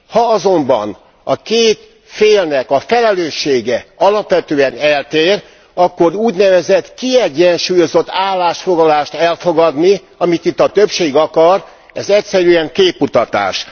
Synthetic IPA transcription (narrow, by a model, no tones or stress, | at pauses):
hɒɒzo̞mbɒ̰n | ɒkeːt̪ | feːlnɛkɒfɛlɛløːʃːeːɡɛɒlɒpʋɛt̪øːɛnɛlt̪eːr | ɒkːo̞ɾuːɟnɛvɛzɛt̪kiɛɟːɛnʃuːjo̞zo̞t̪ːaːlːaːʃfo̞ɡlɒlaːʃt̪ɛlfo̞ɡɒd̪ni | ɒmit̪it̪ːɒt̪øpʃeːɡɒkɒr | ɛzɛcsɛɾyɛŋkeːpːut̪ɒt̪a̰ːʃ